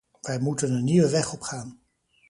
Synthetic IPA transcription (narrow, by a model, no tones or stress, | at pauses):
ʋɛjmutənənːiʋəʋɛχɔpχaːn